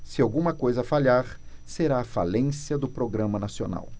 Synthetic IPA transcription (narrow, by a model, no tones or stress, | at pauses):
sɪawɡũmɐkojzɐfaʎaɾseɾaːfalẽsiɐd̪ʊpɾoɡɾɐ̃mɐnasio̰na̰w